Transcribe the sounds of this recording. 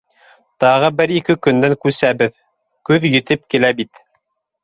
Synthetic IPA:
t̪ɑʁɤbɘɾikɘkɵ̆nd̪æŋkʉsæbɘð | kʉðjɵ̆t̪ɘp̚kilæbit̪

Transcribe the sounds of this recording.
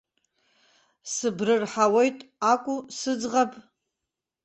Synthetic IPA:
sɨbrɨrħawe̞jtʼakʷʼusɨd͡zʁapʼ

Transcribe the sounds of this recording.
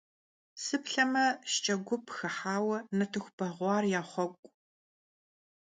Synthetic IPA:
sɨpɬɐmɐʃt͡ʃʼɐɡʷʊpʰxɐħaːwɐnɐtʰɨxʷb̥ɐʁʷɑːrjaːχʷɔkʷʼ

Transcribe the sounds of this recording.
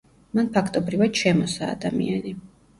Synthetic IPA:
manpʰakʰt̪ʼɔbɾivad̪ʃɛmɔsaːd̪amḭani

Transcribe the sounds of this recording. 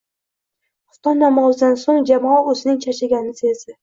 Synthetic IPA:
ʊ̥t̪ɒnamɒzɪd̪ansoŋd͡ʒamɒɵzɪnɪŋt͡ʃʰat͡ʃʰaɡʲanɪsezd̪ɪ

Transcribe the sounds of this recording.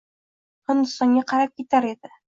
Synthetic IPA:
hɤ̆nɤsɑnʲɤqæɾæp̚kit̪æɾid̪ɘ

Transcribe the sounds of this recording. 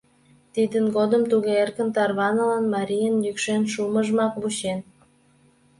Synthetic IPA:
t̪id̪ənɡod̪əmt̪uɣeerkə̆nt̪ɑrβɑnəlɑnmɑɾʲijənjykʃenʃuməʒmɑkβut͡ɕen

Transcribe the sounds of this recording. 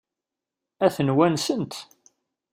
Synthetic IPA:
æθənwænsənt̪

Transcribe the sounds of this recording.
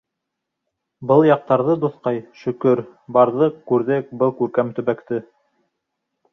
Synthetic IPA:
bɤlˠjɑq̚t̪ɑɾðɤd̪ŏθqɑjʃɵ̆kɵɾbɑɾðɤqkːʉɾðɘk̚bɤlˠkʉɾkæmt̪ɵ̆βækt̪ɘ

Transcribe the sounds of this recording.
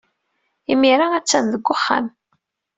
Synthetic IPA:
imːiɾaæt͡sːænðəɡʷːʊχːa̰m

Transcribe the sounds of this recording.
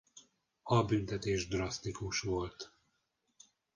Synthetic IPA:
ɒbynt̪ɛt̪eːʒd̪rɒst̪ikuʃʋo̞lt̪

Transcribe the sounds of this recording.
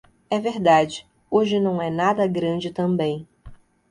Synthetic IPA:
ɛveɾd̪ad͡ʒɪ | oʒɪnɐ̃w̃ɛnad̪ɐɡɾɐ̃d͡ʒɪt̪ɐ̃bẽj̃

